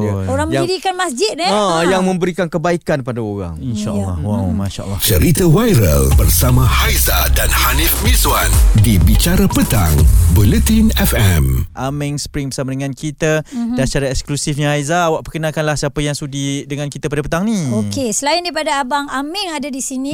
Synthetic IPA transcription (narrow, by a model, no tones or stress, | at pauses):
oɾaŋməjaidikanmasd͡ʒɪt̪̚ɛajaŋmə̃mbəɾikankəbaikanpadaoɾa̰ŋinʃaʔlːa̰hwawmaʃa̰ʔə̰lːɔ̰t͡ʃəɾit̪awajɾə̰lbərsamãhajzadanhanifmiswandibit͡ʃaɾapət̪a̰ŋbulɛt̪inɛfɛmʔamɛŋspɾiŋbərsamadəŋãnkit̪adant͡ʃaɾaɛksklusifɲahajzaːwaʔpəkənakanlahsiapəjaŋsudidəŋãnkit̪ap̬adapət̪aŋniokesəlaindaipadaːbaŋamɛŋadadisinĩ